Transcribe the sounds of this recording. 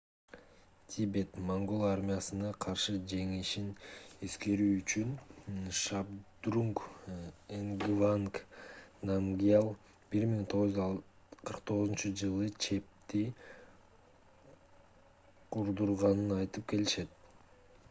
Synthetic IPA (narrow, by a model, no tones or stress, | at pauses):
t̪ʲʰibe̞t̪maŋɡolˠaɾmʲijasɯnɑqʰɑɾʃɯd͡ʒe̞ŋiʃiniske̞ɾyːt͡ʃynʃabd̪ruŋk | eŋɡvanknaŋɡʲialˠ | b̥iɾmiŋt̪ʰoʁz | qʰɯɾqt̪ʰo̞ʁzunt͡ʃud͡ʒɯlˠɯt͡ʃʰe̞p̚t̪i | qʰuɾd̪uɾʁɑnɯnɑjt̪ɯp̚ke̞liʃe̞t̪̚